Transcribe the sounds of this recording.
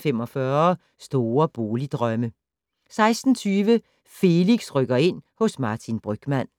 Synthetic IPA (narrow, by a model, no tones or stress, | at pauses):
fem̰ɒ̽fɶɐ | sd̥o̝ːɐb̥o̝ːlid̥ʁœmə | sɑ̈ɪsd̥n̩t͡sʰyːʋə | fe̝liɡ̥sʁœɡ̥ɐe̝n̰hɔ̽smɑ̈ːt͡sʰinb̥ʁœɡ̥mæn̰